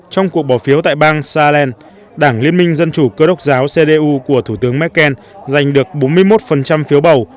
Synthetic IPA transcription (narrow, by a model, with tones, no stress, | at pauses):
t͡ɕɔ˧wŋ͡mku˨˩ək̚ɓɔ˨˩fi˨˦əwt̪a̰ː˧˨jɓaː˧ŋsaː˧lɛ˧n | ɗaː˧˩ŋli˧ənmï˧ŋ̟zə˧nt͡ɕu˧˩kəː˧ɗə˦˥wk͡p̚zaː˨˦wse˧ɗe˧ʔu˧ku˧˩ət̪ʰu˧˩t̪ɨ˨˦əŋmɛ˦˥t̚kːɛ˧n | za˨˩jŋ̟ɗɨ˨˩ək̚ɓo˨˦nmɨ˧əjmo˦˥t̚fə˨˩nt͡ɕa˧mfi˨˦wɓə˨˩w